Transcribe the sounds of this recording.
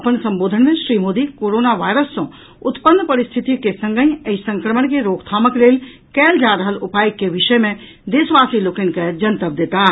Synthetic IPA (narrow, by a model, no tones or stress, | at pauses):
ɐpənsɐ̃mboːd̪ʱənmẽʃɾiːmoːd̪ikoːɾoːnaʋaːɪɾəsːõ | ʊt̪pənːpɐɾɪst̪ʰɪt̪ikesə̃ŋɡə̃ĩəisə̃ŋkɾəməɳkeɾoːkʰt̪ʰaːməkɾeːl | kɛːld͡ʒaːɾəɦəlʊpaːjkːeʋɪʃəmẽ | d̪eːsʋaːsiloːkenked͡ʒɐnt̪əp̚d̪eːt̪aɦ